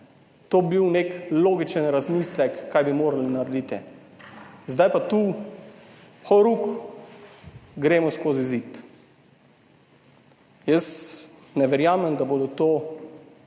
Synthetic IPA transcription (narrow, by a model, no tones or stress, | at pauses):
t̪oːbiwnekloːɡit͡ʃənɾazmiːslɛkːajbimoːɾalinaɾɛd̪it̪ɛ | zd̪ajpat̪u | xɔɾuk | ɡɾeːmɔskoːzizit̪ | jəs | nɛʋɛɾjaːmɛmd̪aboːd̪ɔt̪oː